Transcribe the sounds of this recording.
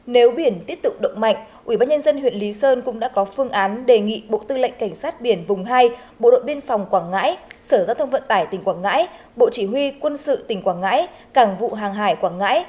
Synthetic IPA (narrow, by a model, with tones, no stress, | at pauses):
ne˨˦wɓi˧˩ənt̪i˦˥əp̚t̪ʊ˨˩k͡p̚ɗə̰˧˨wŋ͡m̚ma̰˧˨jŋ̟ʔwi˧˩ɓaː˧nɲə˧nzə˧nhwḭ˧˨ənli˨˦səː˧nkʊ̰˧˥ŋ͡mɗa̰ː˧˥kɔ˨˦fɨ˧əŋʔaː˨˦nɗe˨˩ŋḭ˧˨ɓo̰˧˨t̪ɨ˧lə̰˧˨jŋ̟ka˧˩ŋ̟saː˦˥t̚ɓi˧˩ənvʊ˨˩ŋ͡mɦaː˧j | ɓo̰˧˨ɗo̰˧˨jɓi˧ənfa˨˩wŋ͡mkwaː˧˩ŋːa̰ː˧˥jsəː˧˩zaː˧wt̪ʰə˧ŋ͡mvə̰˧˨nt̪aː˧˩jt̪ï˨˩ŋ̟kwaː˧˩ŋːa̰ː˧˥j | ɓo̰˧˨t͡ɕi˧˩ɦwi˧kwə˧nsɨ̰˧˨t̪ï˨˩ŋ̟kwaː˧˩ŋŋa̰ː˧˥j | kaː˧˩ŋvṵ˧˨ɦaː˨˩ŋɦaː˧˩jkwaː˧˩ŋːa̰ː˧˥j